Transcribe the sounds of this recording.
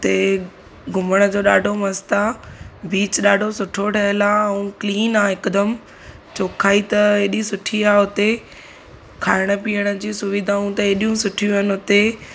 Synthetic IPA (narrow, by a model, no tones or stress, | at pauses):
t̪e | ɡʱʊməɽ̃ə̆d͡ʑoːɗaːɖʱomɐst̪abiːt͡ɕɗaːɖʱosʊʈʰoʈʰɐɦəlaɛ̃ũːkliːnaːɪkd̪əm | t͡ɕoːkʰaːit̪ɐeːɗisʊʈʰiaːɦʊt̪e | kʰaːɪɽ̃ə̆piːəɽ̃ə̆d͡ʑiːsʊʋid̪ʱaːũt̪ɐeːɗijũsʊʈʰijũɦənɪ̆ɦʊt̪e